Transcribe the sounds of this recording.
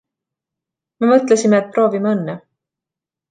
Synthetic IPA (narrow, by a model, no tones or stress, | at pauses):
me̞mɤt̪lesimeːt̪̚pro̞ːvimeɤnːe